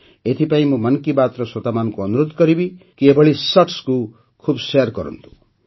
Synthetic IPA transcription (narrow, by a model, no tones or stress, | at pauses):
et̪ʰipaĩmũmʌnkibat̪ɾɔswɔt̪amanɔkuɔnuɾud̪ʱkɔɾibikiebʱɔɭisɔʈsku | kʰubsejɾkɔɾɔ̰nt̪ʰũ̥